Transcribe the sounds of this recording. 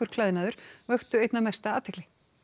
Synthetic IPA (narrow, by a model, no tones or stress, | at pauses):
ʏɾ̥kʰlaːðɪnaːðʏɾ̥vœxt̪ʏejt̪namɛst̪aaːt̪ʰɛklɪ